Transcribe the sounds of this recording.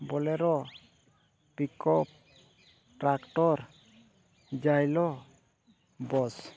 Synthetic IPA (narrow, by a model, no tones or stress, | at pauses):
bɔlɛɾɔ | pikɔp̚ | ʈɾakʈɔɾ | d͡ʒajlɔ | bɔs